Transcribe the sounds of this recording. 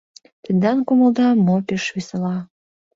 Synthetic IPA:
t̪ənd̪ɑnkuməld̪ɑmopeʃβesəlɑ

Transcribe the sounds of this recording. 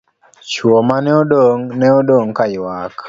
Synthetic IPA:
t͡ʃwɔmanɛɔdoŋnɛɔdoŋkajwak

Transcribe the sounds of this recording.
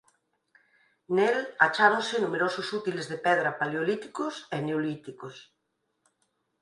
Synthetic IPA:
nelat͡ʃaɾõnsɪnumeɾososut̪ilezðepɛðɾapaljolit̪i̥koseneolit̪ikos

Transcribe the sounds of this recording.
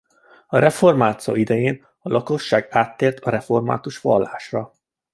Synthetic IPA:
ɒɾɛfo̞rmaːt̪so̰ːid̪ɛjeːn | ɒlʔɒko̞ʃːaːɡaːt̪ːeːrt̪ɒɾɛfo̞rma̰ːt̪uʃʋɒ̰lːaːʃrɒ

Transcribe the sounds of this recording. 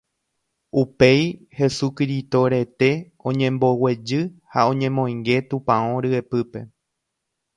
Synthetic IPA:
upe̞j | he̞sukɾit̪o̞ɾe̞t̪e̞ | õ̞ɲẽ̞mbo̞we̞d͡ʒɨhaõ̞ɲẽ̞mõ̞j̃ŋɡe̞t̪ũpãõɾɨepɨpe̞

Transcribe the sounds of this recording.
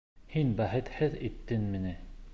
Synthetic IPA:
hinbæhɘ̆t̪hɘðit̪ːɘnmɘ̆nɘ

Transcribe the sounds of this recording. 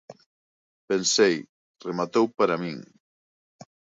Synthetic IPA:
pensej | remat̪owpaɾamĩŋ

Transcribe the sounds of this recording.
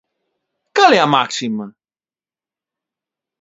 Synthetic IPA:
kalɛamaksimɐ

